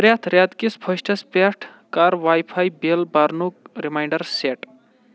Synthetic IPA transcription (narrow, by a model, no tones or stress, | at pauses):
ɾjat̪ʰɾjad̪kispʰəsʈʰɐspeʈʰkaɾʋajpʰajbelbaɾnukɾimajɳɖəɾseʈ